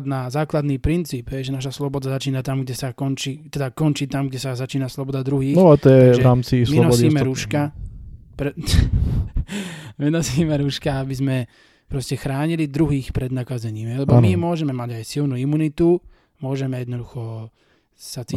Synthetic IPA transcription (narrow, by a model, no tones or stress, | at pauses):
d̪nazaːklad̪niːpɾint͡siːbɦɛjʒɛnaʃ̬aslɔbɔd̪azat͡ʃiːnat̪amɡɟɛsakɔnt͡ʃiːt̪ɛd̪akɔnt͡ʃiːt̪amɡɟɛsazat͡ʃiːnaslɔbɔd̪ad̪ɾuɦiːnɔt̪ɔjɛʒɛɾaːmt͡sismliɔnɔiːmɛɾuʃka | pɾɛ | minɔziːmɛɾuʃkaabizmɛ | pɾɔscɛxɾaːɲilid̪ɾuɦiːxpɾɛd̪nakazɛɲiːmɦɛjlɛbbɔmimʊɔʒɛmɛmaɟajsilnuimunit̪u | mʊɔʒɛmɛjɛd̪nɔd̪uxɔ | sat͡si